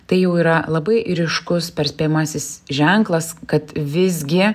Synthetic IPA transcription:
t̪ɐɪjɛʊiːɾɐlˠɐbɐɪʔɾʲɪʃkʊspʲɛɾsʲpʲeːjmɑsʲɪsʒʲɛŋklˠɐskɐt̪ʋʲɪzʲɡʲɪ

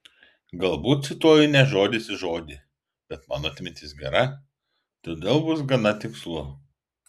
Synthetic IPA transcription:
ɡɐlˠbuːt̪sʲɪt̪uɔjʊnʲɛʒoːd̪ʲɪsʲɪʒoːd̪ʲɪ | b̥ʲɛt̪mɑːnoɐt̪ʲmʲɪnt̪ʲɪsɡʲɛɾɐ | t̪oːd̪ʲeːlˠbʊs̬ɡɐnɐt̪ʲɪkslˠʊ

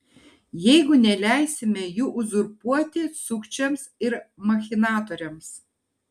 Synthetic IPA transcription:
jɛɪɡʊnʲɛlʲæˑɪsʲɪmʲɛjuːʔʊzʊɾpuɔt̪ʲɪsʊkt͡ʃʲɛmsɪɾmɐxʲɪnɑːt̪oːɾʲɛms

